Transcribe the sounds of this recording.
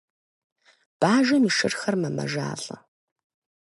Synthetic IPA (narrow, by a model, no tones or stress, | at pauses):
b̥aːʒɐmiːʂɨrxɐrmɐmɐ̰ʒa̰ːɬʼɐ